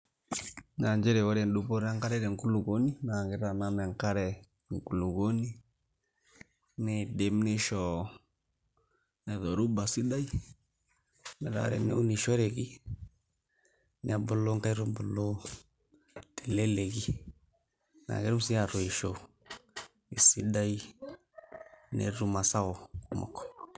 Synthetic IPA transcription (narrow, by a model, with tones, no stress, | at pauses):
na˨ɲd͡ʒɛ˦ɾɛ˨wa˦ɾɛ˨ndu˨bo˦ɾa˦ŋka˦ɾɛ˦ɾɛ˨ŋku˦lu˨ɡo˦ni˦na˨ŋɡɪ˨ɾa˨na˦nɛ˨ŋka˦ɾɛ˨ | ŋ˨ku˨lu˨ɡo˦ni˦ | nɪ˨de˨mnɪ˦ʃɔ˨ | nɛ˨ðɔ˨ɾu˦ba˨si˦da˦i˦ | nɛ˨ɾa̰˦˨ɾɛ̰˨nɛ̰˦u˦ni˨ʃɔ˦ɾe˨ɡi˦ | nɪ˦a˨bʊ˨lo˦ŋka˦ɾʊ˦bɔ˨lo˦ | te˨le˦le˨ɡi˦ | na̰˨ɡɛ˦ɾm˦si˦a˨ɾʊ˨i˨ʃo˨ | i˨si˦da˦i˦ | nḛ˨ɾu˦ma˨sa˦ɔ˨mɔ̰˨kɔ̥˨